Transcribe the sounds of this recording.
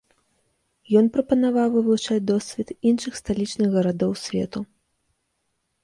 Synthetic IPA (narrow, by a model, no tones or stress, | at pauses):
jɔnpɾɐpɐnavawvɨvˠut͡ʂad͡zʲd̪ɔsʲvʲɛt̪inʂɨxst̪alʲit͡ʂnɨɣɣɐɾad̪ɔwsʲvʲɛ̰t̪u